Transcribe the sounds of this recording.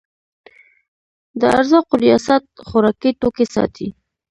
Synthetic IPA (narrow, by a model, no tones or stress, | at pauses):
d̪əa̰ɾzɑqoɾijɑsat̪̚χʊɾɑkiʈokesɑ̰t̪ʰḭ